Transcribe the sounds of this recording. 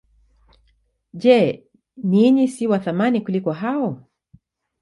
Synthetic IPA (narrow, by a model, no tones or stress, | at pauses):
ʄɛ | niɲisiwaθamanikulikɔɦaɔ